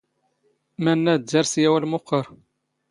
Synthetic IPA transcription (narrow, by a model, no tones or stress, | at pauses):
mænːææɾˤsjæwælmʊqːəɾˤ